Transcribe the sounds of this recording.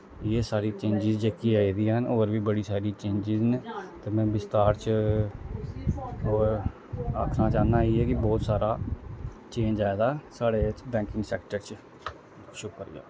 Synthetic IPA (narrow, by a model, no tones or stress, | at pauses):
jeːsaːɾiːt͡ʃẽːɲd͡ʒɪzd͡ʒeːkiaːiːd̪ijaːɦənoːɾʋiːbəɽiːsaːɾiːt͡ʃẽːɲd͡ʒɪzneːt̪eːmɛ̃ːbɪst̪aːɾt͡ʃ | oːɾ | aːkʰnãːt͡ʃaːnaːeːɦɛːkɪbɔːt̪saːɾaː | t͡ʃẽːɲd͡ʒaːed̪aːsaːɽeːbɛ̃ːkɪ̃ŋɡsɛːkʈəɾt͡ʃ | ʃʊkːəɾɪ̰ja̰ː